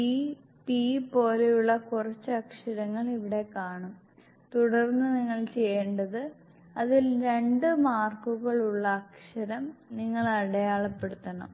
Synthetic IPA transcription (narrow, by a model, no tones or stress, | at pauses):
i | pipo̞ːlejuɭːɐkurɐt͡ɕːɐkʂɐɾɐŋːɐɭiʋiɽe̞kaːɳum | t̪uɽɐrnːɨniŋːɐɭt͡ɕe̞jːeːɳɖɐðɨ | ɐðilɾe̞ɳɖɨmaːrkuɣɐɭuɭːɐːkʂɐɾɐmniŋːɐɭɐɽɐjaːɭɐpːe̞ɽut̪ːɐɳɐ̰m